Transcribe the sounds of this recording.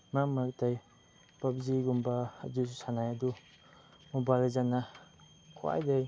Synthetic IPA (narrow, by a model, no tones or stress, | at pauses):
mamak̚taj | pabziɡumbaːdus̬sanajɐdu | mɔbalazana | kʰwa̰jdaj